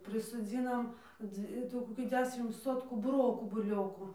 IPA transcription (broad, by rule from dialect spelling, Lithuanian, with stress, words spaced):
pʲrʲɪsoːˈd͡zʲiːnɐm poː ˈd͡zʲʋʲɪ ɪˈtuː koːˈkʲɪ ˈdʲæːʃʲɪm ˈsoːtkuː bʊˈroːkuː bʊˈlʲoːkʊ